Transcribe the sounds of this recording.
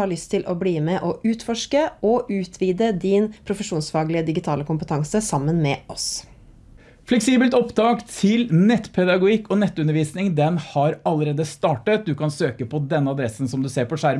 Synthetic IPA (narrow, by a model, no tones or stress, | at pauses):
ɑːɾɭʏst̪ʰɪlʔɔbliːmɛʔɔʔʉːt̪fɔʂkəɔʔʉːt̪ʰʋiːd̪əd̪ɪnpʰɾʊfəʂuːnsfɑːɡlɪəd̪ɪɡɪt̪ʰɑːləkʊmpət̪ʰɑŋsəsɑmːənmɛːʔɔs | flɛksiːbəlt̪ɔpt̪ɑːkt̪ʰɪlnɛt̪ːpʰɛd̪ɑɡʊɪkːɔnɛt̪ːʉnəɾʋiːsnɪŋd̪ɛnhɑɾɑlːəɾeːd̪əst̪ɑːʈət̪̚d̪ʉkɑnsøːkəpʰɔd̪ɛnːəɑd̪ɾɛsn̩sɔmd̪ʉseːɾpɔʂæɾ